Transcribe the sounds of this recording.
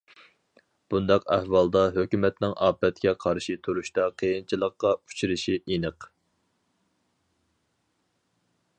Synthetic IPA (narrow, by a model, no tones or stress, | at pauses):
b̥und̪ɑqɛ̰hwɑlˠd̪ɑɦøkʲymɛt̪nɪŋʔɑːpɛt̪kʲɛqʰɑɾʃit̪ʰuɾuʃt̪ɑqʰejint͡ʃʰilˠəqːɑu̥t͡ʃʰiɾɪʃiʔenəq